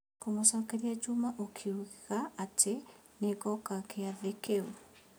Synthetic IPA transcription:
komosakeɾiad͡ʒumaʔokʰiuɣiɣaːtʰe | nekɔkakeaðekeu

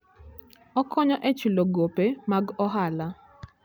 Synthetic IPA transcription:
ɔkʰɔɲɔʔɛt͡ʃuloɡopemaɡɔɦala

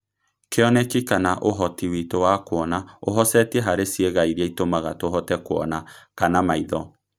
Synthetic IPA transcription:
keɔnɛkikanaʔoɦɔtiwitowakwɔnaoɦɔsɛtɛɦaɾesieɣaiɾiaitomaɣatoɦɔtɛkoɔ̰nakanamaiðɔ

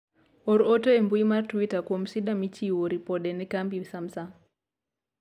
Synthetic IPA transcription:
ɔɾɔtoembuimartwitakɔm̩siɗamit͡ʃiwoɾipɔɗɛnɛkambisamsa

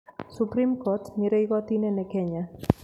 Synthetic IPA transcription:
supɾimkot̪miɾejɣot̪inenekeɲa

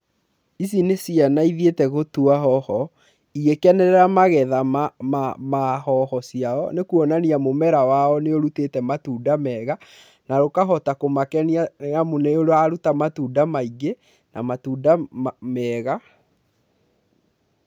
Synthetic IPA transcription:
is̬inesianaiðietɛɣotuaɦɔhɔ | iɣekɛnɛɾɛɾamaɣɛðamamamahɔhɔsiaɔnekuɔnaniamomɛɾawaɔneoɾutetɛmatuːdamɛɣa | naɾokaɦɔtakomakɛniaamuneoɾoaɾutamatuːdamaiɡe | namatuːdamɛɣa

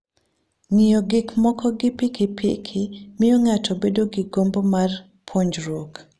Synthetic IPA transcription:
ŋijoɡɪkmɔkʰɔɡɪpikɪpʰḭkʰɪmɪjoŋatʰɔbedoɡɪɡombomar | pʰoɲd͡ʒɾwok

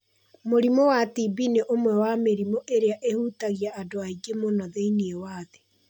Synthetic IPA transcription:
moɾimowatibineʔomwɛwameɾimɔʔeɾeaʔehutaɣjaːdoaiɡemonɔðeiniewaːðe̥

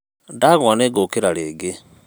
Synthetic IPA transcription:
ndaɣwɔneɡokeɾaɾeːɡe

